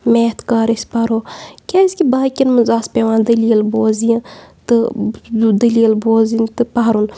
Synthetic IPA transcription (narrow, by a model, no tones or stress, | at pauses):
meːt̪kaːɾisʲpɐɾoːkʲasʲkʲibaːkʲinmɨnzaːspʲeʋaːnd̪ɐliɐlboːzjĩt̪ɨ | d̪ɐliːlboːzint̪ɨpɐɦɾun